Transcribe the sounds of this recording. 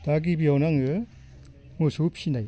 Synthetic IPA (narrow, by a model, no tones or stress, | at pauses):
d̥aɡibiawnaŋɯ | musupʰinaj